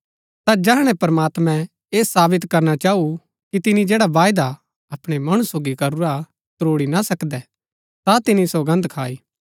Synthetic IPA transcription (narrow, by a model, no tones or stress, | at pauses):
t̪ad͡ʒɛɦɽ̃ɛ̃pɐɾəmaːt̪mɛ̃ | eːsaːbɪt̪kɐɾnat͡ʃaːu | kit̪ɪnid͡ʒeːɽaʋaːjd̪a | ɐpɽ̃emɐɽ̃usoːɡikɐɾuɾa | t̪ɾoːɽinasɐkd̪ɛ | t̪at̪ɪnisoːɡə̃nd̪kʰaːiː